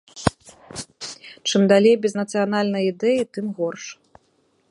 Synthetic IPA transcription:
t͡ʂɨmd̪alʲejbʲɛznɐt̪sɨjanalʲnɐjid̪ɛjit̪ɨmɣɔrʂ

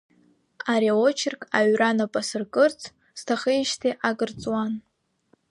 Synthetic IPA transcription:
aɾiaot͡ʃʰɪrkʰʼaɥranapʼasɨrkʼɨrt͡sʰ | stʰaχejʃtʰiʔaɡʼɨrt͡sʼwan

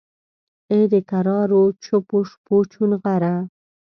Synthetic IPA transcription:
ed̪əkaɾɑɾot͡ʃʰʊpoʂpot͡ʃunɣaɾa

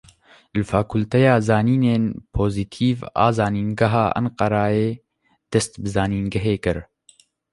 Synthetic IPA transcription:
lɨfaːkʰʊlt̪ɛjaːzɑːniːneːnpʰoːzit̪ʰiːva̰ːzɑːniːnɡɐɦaːʔɐ̰nqɑɾɑːeː | d̪̥ɛst̪bɨzɑːniːnɡɐɦeːkɨɾ

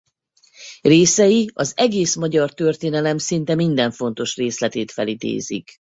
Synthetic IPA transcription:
reːsɛjiɒzɛɡeːsmɒɟɒrt̪ø̞rt̪eːnɛlɛmsint̪ɛmind̪ɛɱfo̞nt̪o̞ʃreːslɛt̪eːt̪fɛlid̪ḛːzḭk

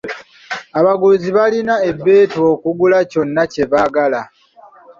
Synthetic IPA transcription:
aβaɡuziβalinae̞bːe̞ːto̞ːkuɡulaco̞nːace̞βaɡala

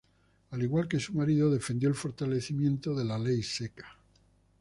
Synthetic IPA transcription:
aliɣwalke̞sumaɾiðo̞ðe̞fe̞nd̪jo̞elfo̞ɾt̪ale̞θimjẽ̞nt̪o̞ðe̞lale̞jse̞kḁ

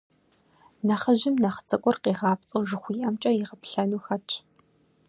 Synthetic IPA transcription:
nɐχəʒɪmnɐχə̥t͡sʼɐkʷʼɔrqeːʁɑːpt͡sʼɨwʒɪxʷiːʔɐmt͡ʃʼɐjɪʁɐpɬɐnuːxɐt͡ʃʰʼ

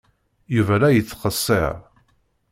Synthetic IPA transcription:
juvælæjət͡sːqəsˤːɪ̰ʕ

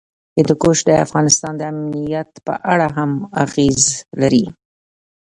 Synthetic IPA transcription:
əd̪əkoʃd̪əa̰fɣɑnɪst̪ɑnd̪əamnijat̪pə̰ʔaɽaɦamaɣezlaɾi

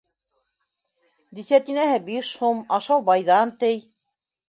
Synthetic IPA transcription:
d̪isæt̪inæhɘbiʃhumɑʃɑwbɑjðɑnt̪ɘj

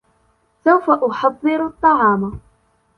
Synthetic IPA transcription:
sawfaʔʊħɑðˤːɨɾt̪ˤːɑʕɑːma

